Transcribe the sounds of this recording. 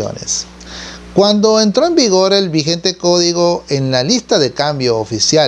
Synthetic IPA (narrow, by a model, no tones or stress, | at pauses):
o̰nḛs | kwand̪o̞ent̪ɾoembiɣo̞ɾe̞lβixe̞nt̪eko̞ðiɣo̞enlalist̪aðe̞kambjo̞ːfisja